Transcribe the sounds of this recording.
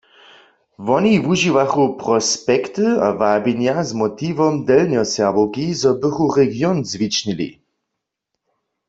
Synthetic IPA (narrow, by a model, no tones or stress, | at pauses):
vɔniwuʒivaxupʁɔspɛkt̪ɨa̰vabiɲjazmɔt̪ivɔmd̪ɛlnjɔsɛʁbowkizɔbɪxuʁɛɡjɔnzvit͡ʃnilḭ